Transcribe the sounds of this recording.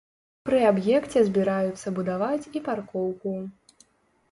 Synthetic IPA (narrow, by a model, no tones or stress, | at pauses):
pɾɨabjɛkt͡sʲɛzʲbʲiɾajut̪sːɐbud̪avat͡sʲiparkɔwku